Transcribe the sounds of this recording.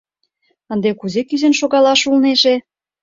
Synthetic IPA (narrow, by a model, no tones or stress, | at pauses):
ənd̪ekuzekyzenʃoɣɑlɑʃulneʃe